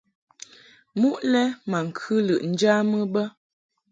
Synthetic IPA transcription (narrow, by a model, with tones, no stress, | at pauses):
mu˦ʔlɛ˦ma˨ŋ̩˨kʰʉ˦lə˨ʔn̩˦d͡ʒa˦mə˦bə˦